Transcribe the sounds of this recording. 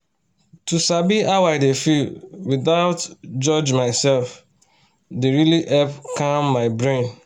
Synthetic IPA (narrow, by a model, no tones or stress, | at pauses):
tusabiawaɪdefilwiðaʊtd͡ʒɔd͡ʒmaɪsɛlf | deɾiliʔɛpkãmːaɪbɹẽn